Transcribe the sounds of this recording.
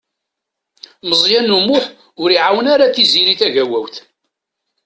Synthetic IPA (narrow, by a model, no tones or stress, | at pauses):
məzˤjænːumʊħ | ʊɾiʕawənaɾaθiziɾiθæʝæwæwθ